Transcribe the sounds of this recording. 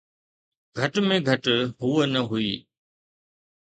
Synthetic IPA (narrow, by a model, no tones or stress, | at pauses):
ɡʱɐʈmẽɡʱɐʈɦuːənɐɦuiː